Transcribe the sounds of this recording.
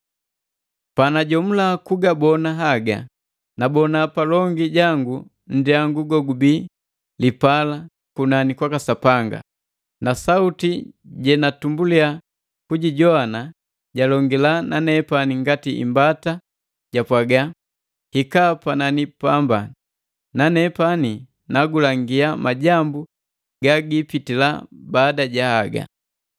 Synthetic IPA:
panaɟɔm̩lakuɡabɔnaɦaɡa̰ | nabɔnapalɔŋɡiɟaŋɡu | n̩diaŋɡuɡɔɡubiː | lipala | kunanikwakasapaŋɡa̰ | nasautiɟɛnatumbulia | kuɟiɟɔana | ɟalɔŋɡilananɛpaniŋɡatiḭmbata | ɟ̥apwaɡa | hikapananipamba | nanɛpani | naɡulaŋɡiamaɟambu | ɡaɡipitila̰baːdaɟahaɡa̰

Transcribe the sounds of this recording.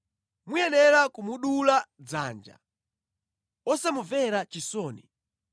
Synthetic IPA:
mujɛnɛɾakumuɗulad͡za̰ːnd͡ʒa̰ | ɔsamuvɛɾat͡ʃisɔːni

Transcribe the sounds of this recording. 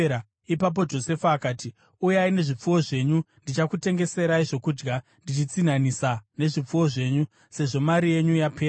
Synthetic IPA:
a | ipap̬o̞d͡ʒo̞se̞faːkaːti | ujaine̞ʐip͡fuwo̞ʐe̞ɲundit͡ʃakute̞ŋɡe̞se̞ɾaiʐo̞kud͡ʒɡa | ndit͡ʃit͡sin̤anisane̞ʐip͡fuwo̞ʐe̞ːɲu | se̞ʐo̞maɾije̞ɲujapʰeː

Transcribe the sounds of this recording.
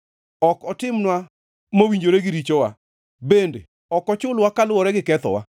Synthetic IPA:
ɔkɔtɪmnwa | mowiɲd͡ʒoɾeɡɪɾit͡ʃɔwa | bendḛ | ɔkɔt͡ʃʊlwakalʊwɔɾɛɡɪkɛt̪ɔ̰wa̰

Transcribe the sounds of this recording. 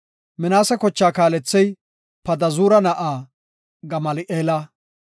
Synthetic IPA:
mɪnaːsɛkɔt͡ʃːaːkaːlɛt͡sːɛj | pɐd̪ɐzuːɾɐnɐʔaː | ɡɐmɐlɪʔeːla

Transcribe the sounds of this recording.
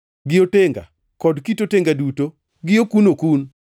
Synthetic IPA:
ɡɪoteŋɡa̰ | kɔdkitoteŋɡaduto | ɡɪokunokun

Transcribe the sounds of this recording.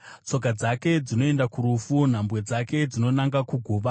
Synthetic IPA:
t͡so̞k̬ad͡zake̞d͡zino̞e̞ndakuɾufun̤ambwe̞d͡zake̞d͡zino̞naŋɡakuɡʱuʋa

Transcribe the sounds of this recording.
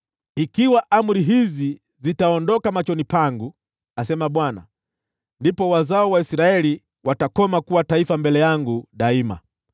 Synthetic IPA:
ikiwaʔam̩ɾiɦizi | zitaɔndɔkamat͡ʃɔnipaŋɡu | asɛmaɓwana̰ | ndipɔwazaɔwaisɾaɛli | watakɔmakuwataifambɛlɛjaŋɡuɗaima̰

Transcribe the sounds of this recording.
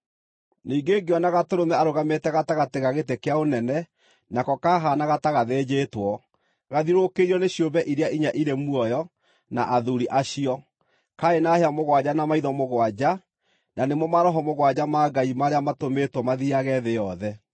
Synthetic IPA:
niːɡeɡeɔnaɣatoɾomɛaɾoɣametɛɣataɣateɣaɣetekeaonɛnɛ | nakɔkaɦanaɣataɣaðed͡ʑeːtwɔ | ɣaðiɾokeɾiɔneɕjobɛʔiɾjaʔiɲaʔiɾemuɔjɔ | na̰ʔaðuɾiʔaɕiɔ | kaenaheamoɣwad͡ʑanamaiðɔmoɣwad͡ʑa | nanemɔmaɾɔɦɔmoɣwad͡ʑamaɡaimaɾeamatometwɔmaðiaɣɛðejɔðɛ

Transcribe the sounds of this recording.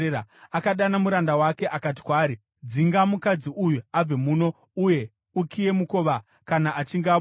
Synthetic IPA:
aakaɗanamuɾandawake̞ʔakat̬i̥kwaːɾi | d͡ziŋɡamukad͡ziʔujuab͡ve̞muːno̞ | uje̞ | ukʰije̞muko̞ːʋa | kanaʔat͡ʃiŋɡa

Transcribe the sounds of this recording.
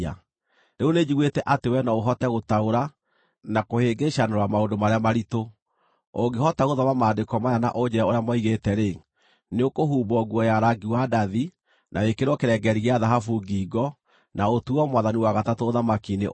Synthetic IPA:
a̰ | ɾeoned͡ʑiɣwetɛʔatewɛnɔoɦɔtɛɣotaoɾa | nakoheɡeʃanoɾwamaondomaɾeamaɾito | oɡeɦɔtaɣoðɔmamaːdekɔmajana̰ʔod͡ʑɛɛoɾeamɔiɣetɛɾe | neokoɦuːbɔɣwɔjaɾaɡiwadaði | nʔawekeɾwɔkeɾɛɡɛɾiɣeaðaɦafuɡiɡɔ | naotuɔmwaðaniwaɣatatoːðamakinḛ

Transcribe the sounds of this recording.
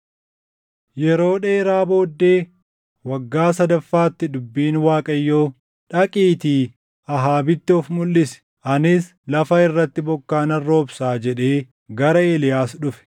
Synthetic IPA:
jɛɾo̞ːᶑe̞ːɾaːbo̞ːd̪ːe̞ː | wɐɡːaːsɐd̪ɐfːaːt̪ːɪd̪ʊbːiːnwaːkʼɐjːoː | ᶑɐkʼiːt̪iː | ɐɦaːbɪt̪ːɪɔfmʊlːɪsɛ̥ | ʔɐnɪs | lɐfɐɪrːɐt̪ːɪbɔkːaːnɐrːo̞ːbsaːd͡ʒɛᶑe̞ː | ɡɐɾɐeːlɪjaːsᶑʊfɛ̥

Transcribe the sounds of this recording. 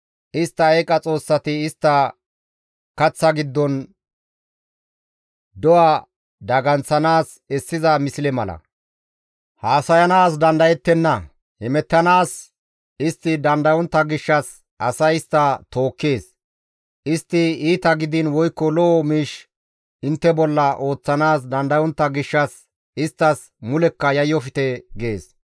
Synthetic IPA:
ʔɪst̪ːɐɛkʼɐt͡sʼo̞ːsːɐt̪ɪːst̪ːɐ | kɐt͡sːɐɡɪd̪ːɔn | d̪ɔwɐ | d̪ɐɡɐnt͡sːɐnaːs | ɛsːɪzɐmɪsɪlɛmɐlɐ̰ | haːsɐjɐnaːs̬d̪ɐnd̪ɐjɛt̪ːɛnːɐ | hɛmɛt̪ːɐnaːs | ɪst̪ːɪd̪ɐnd̪ɐwɔnt̪ːɐɡɪʃːɐs | ɐsɐjɪst̪ːɐt̪o̞ːkːe̞ːs | ʔɪst̪ːɪiːt̪ɐɡɪd̪ɪnwɔjkːɔlɔːmiːʃ | ɪnt̪ːɛbɔlːɐʔo̞ːt͡sːɐnaːsd̪ɐnd̪ɐwɔnt̪ːɐɡɪʃːɐs | ɪst̪ːɐs | mʊlɛkːɐjɐjːɔfɪt̪ɛɡeːs

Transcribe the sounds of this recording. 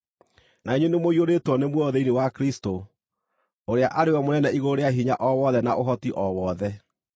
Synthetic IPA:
naiɲenemoioɾetwɔnemwɔðɛinewakɾisto | oɾeaʔaɾewɛmonɛnɛiɣoɾeaɦiɲaʔɔwɔðɛnaʔoɦɔtiʔɔwɔːðɛ

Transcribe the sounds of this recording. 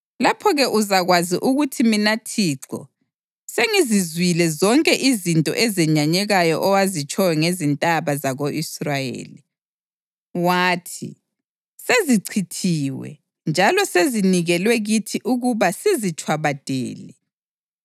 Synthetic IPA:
lapʰɔɣɛʔuzaɣwaziʔuɣutʰiminatʰiːǁʰɔ̰ | seŋizizwilɛzɔŋkʼɛʔizintʼɔ̰ʔɛzɛɲaɲɛɣajɔʔɔwazit͡ʃʼɔwɛŋezintʼaβazaɣoʔisrajḛːli | waːtʰḭ | seziǀʰitʰiwɛ̰ | nd͡ʒʱalɔseziniɣɛlwɛɣitʰiʔuɣuβasizit͡ʃʼwaβad̥ʱɛ̰ːlɛ

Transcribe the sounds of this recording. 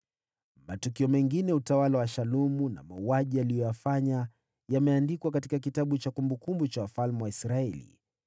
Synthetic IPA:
matukiɔmɛŋɡinɛutawalawaʃalumuna̰mauaʄijalijɔjafaɲa | jamɛandikwakatikak̬itaɓut͡ʃakumbukumbut͡ʃawafalmɛwaisɾaɛlḭ

